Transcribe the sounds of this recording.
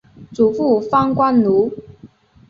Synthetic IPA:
t͡su˨˩fu˥˩fɑ˥ŋkwa˥nlu˧˥

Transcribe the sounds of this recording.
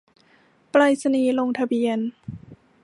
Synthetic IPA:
pla˧jsa˧niː˧˩lo˧ŋt̪ʰa˧biː˧ən

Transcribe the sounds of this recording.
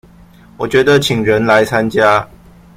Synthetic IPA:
wɔ˨˩t͡ɕɥɛ˨˦˥d̪ə˧˨t͡ɕʰi˨˩ŋɻə˨˦nla˨˧˦ɪt͡sʰa˦nt͡ɕja˦

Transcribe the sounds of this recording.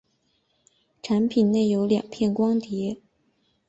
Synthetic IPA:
ʈ͡ʂʰa˧˥npʰi˨˩nne˥˩ɪjo˧˥ʊljɑ̰˨˩ŋpʰjɛ˥˩nkwɑ˥ŋt̪jɛ˧˥

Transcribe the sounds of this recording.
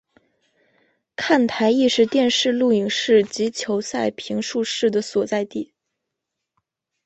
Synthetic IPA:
kʰa˥˩nt̪ʰa˧˥ɪi˥˧ʂɻ̩˥˧t̪jɛ˥˧nʂɻ̩˥˧lu˥˩i˨˩ŋʂɻ̩˥˩t͡ɕi˧˥t͡ɕʰjo˧˥ʊsa˥˩ɪpʰi˧˥ŋʂu˥˧ʂɻ̩˥˩d̪ə˩swɔ˨˩t͡sa˥˧ɪt̪i˥˩

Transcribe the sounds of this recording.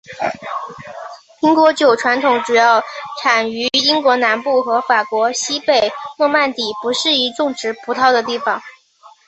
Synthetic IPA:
pʰi˧˥ŋkwɔ˧˥t͡ɕjo˨˩ʊʈ͡ʂʰwa˧˥nt̪ʰʊ˧˥ŋʈ͡ʂu˨˩jɑ˥˩ʊʈ͡ʂʰa˨˩ny˧˥i˥ŋkwɔ˧˥na˧˥npu˥˩xɤ˧˥fa˨˩kwɔ˧˥ɕi˥pe˨˩ɪnwɔ˥˧ma˥˩nt̪i˨˩pu˧˥ʂɻ̩˥˩i˧˥ʈ͡ʂʊ˥˩ŋʈ͡ʂɻ̩˧˥pʰu˧˥t̪ʰɑ˥˩ʊd̪ə˩t̪i˥˩fɑ˨˩ŋ

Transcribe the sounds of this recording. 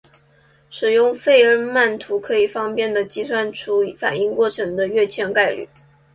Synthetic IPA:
ʂɻ̩˨˩jʊ˥˧ŋfe˥˩ɪə˧˥ma˥˩nt̪ʰu˧˥kʰɤ˧˥i˨˩fɑ˥ŋpjɛ˥˩nd̪ə˩t͡ɕi˥swa˥nʈ͡ʂʰu˥˩fa̰˨˩ni˥˧ŋkwɔ˥˩ʈ͡ʂʰɤ˧˥ŋd̪ə˧ɥɛ˥˩t͡ɕʰjɛ˥nka˥˧ɪly̰˨˩˦

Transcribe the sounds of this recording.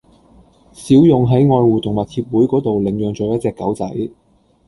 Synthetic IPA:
siː˨˥wjʊ˨ŋɦɐ˨˥jŋɔː˧jwuː˨t̪ʊ˨˩ŋmɐ˨t̚t̪ʰiː˧˥p̚wuː˨˥jkɔː˨˥t̪o˨wlɪ˨˩ŋjœː˨˩ŋt͡ʃo˨˧wjɐ˥t̚t͡sɛː˧kːɐ˨˥wt͡sɐ˨˥j

